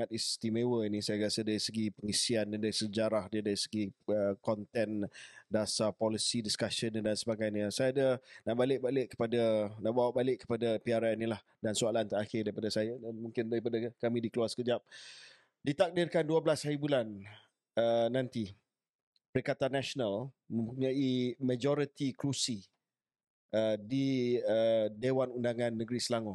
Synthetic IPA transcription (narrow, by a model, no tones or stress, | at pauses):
at̪̚ist̪imewəinĩsajaɾasədaɾisəɡipəŋisiandandaɾisəd͡ʒaɾahdədaɾisəɡiəkɔnt̪ɛndasapɔlisidiskasənədansəbaɡajɲəsajaadənaʔbalɪʔ̚balɪʔkːə̥padanaʔbawaʔbalɪʔkːə̥padapiaɾanilah | dansualant̪əaxɪrdaɾipadəsajadanmũŋkɪndaɾipadakamĩdikəluarsə̥kəd͡ʒap̚ | dit̪ak̚dɪrkanduəblashaɾibulan | əːãnt̪i | pəɾikat̪anːasonal | mə̃mpuɲãimad͡ʒɔɾit̪ikɾusi | ʔədiədewanundaŋãnːəɡɾisəlaŋɔ